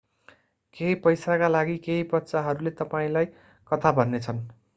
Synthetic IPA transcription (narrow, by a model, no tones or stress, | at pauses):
keɦipʌjsakalaɡikeɦipʌt̪ːt͡saɦʌɾulet̪ʌpaĩlaj | kʌt̪ʰabʱʌnːet͡sʰʌn